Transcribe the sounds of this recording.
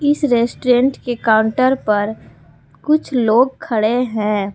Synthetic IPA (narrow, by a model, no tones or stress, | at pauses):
ɪsɾeːsʈɾẽɳʈkekaːʊɳʈəɾpɐɾ | kʊt͡ʃʰloːɡ̚kʰɐɽeɦɛ̃ː